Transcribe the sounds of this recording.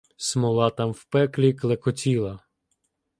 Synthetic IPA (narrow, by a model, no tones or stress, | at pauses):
smɔlˠɑt̪ɑmwpɛklʲiklˠekɔt͡sʲilˠɐ